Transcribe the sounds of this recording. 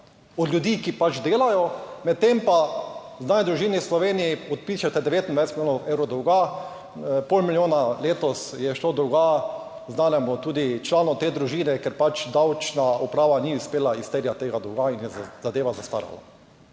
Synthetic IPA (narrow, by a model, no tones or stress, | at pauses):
ɔd̪ljud̪iːkipat͡ʃd̪eːlajɔmɛt̪ːempa | znaːnɛd̪ɾuʒiːnislɔʋeːnijiɔt̪̚piːʃɛt̪ɛd̪ɛʋeːt̪ind̪ʋajsmilʲoːnɔɛwɾɔd̪ɔwɡa | polmiljoːnaleːt̪ɔsjɛʃlod̪owɡa | znaːnɛmɔt̪uːd̪it͡ʃlaːnɔt̪eːd̪ɾuʒiːnɛkɛɾpat͡ʃd̪awt͡ʃnaɔpɾaːʋaniʊspeːlaist̪eɾjat̪eːɡad̪ɔwɡainjɛz̥ad̪eːʋazast̪a̰ɾa̰la̰